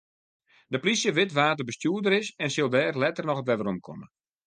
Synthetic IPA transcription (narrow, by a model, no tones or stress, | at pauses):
dəplisjəʋɪtʋaːtərbəstjuːdəɾɪsɛnsɪlˠdɛːrlɛtərnɔxətʋɛʋəromkʰo̰mə